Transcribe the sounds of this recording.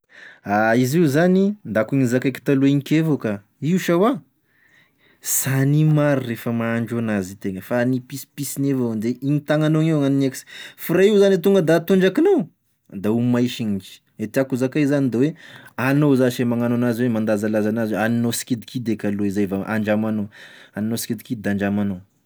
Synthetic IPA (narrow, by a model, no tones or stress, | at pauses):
aiziwzanind̪akuɲizakajki̥t̪aluiŋikʲevoka | iuʃawa | sanimaɾirefəmaːɳɖ͡ʐoanazit̪eŋəfanipispisinevand̪eʔiɲit̪aŋanoŋewŋanineki̥si̥fuɾaiwzanit̪uŋɡəd̪at̪uɳd͡ʒakino | d̪aumajʃiɲid͡ʒi̥ | et̪iakuzakajzanid̪eweanozaʃemaŋanoanazwemand̪azalazanazaninosi̥kid̪ikʰid̪ekʲaloizajvaʔa̰ɳd͡ʒamanoaninosi̥kid̪ikid̪̚d̪aɳd͡ʒamano